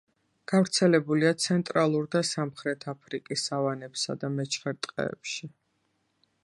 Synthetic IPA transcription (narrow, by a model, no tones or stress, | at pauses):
ɡ̥avɾt̪sʰɛlɛbuliat̪sʰɛnt̪ʼɾalˠuɾd̪asamχɾɛt̪ʰapʰɾikʼisavanɛpsa̰d̪amɛt͡ʃʰχɛɾt̪ʼqʼɛ̰ːpʃi